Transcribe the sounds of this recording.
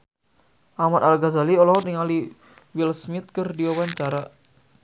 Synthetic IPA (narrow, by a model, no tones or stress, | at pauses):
ʔamat̪alɡazaliɔlɔniŋali | wilsmit̪̚kɨrdiwawaɲt͡ʃaɾa